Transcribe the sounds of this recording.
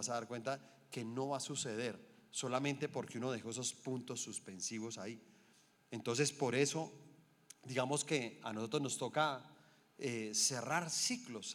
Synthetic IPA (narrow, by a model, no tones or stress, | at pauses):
asaðaɾkwe̞nt̪a | ke̞no̞βasuse̞ð̞e̞ɾso̞lamẽnt̪e̞po̞ɾkeuno̞ðe̞xo̞eso̞spunt̪o̞sːuspe̞nsiβo̞sai | ent̪o̞ns̬e̞spo̞ɾe̞so̞ | d̪iɣamo̞ske̞anoso̞t̪ɾozno̞st̪o̞ka | ese̞raɾsiklo̞s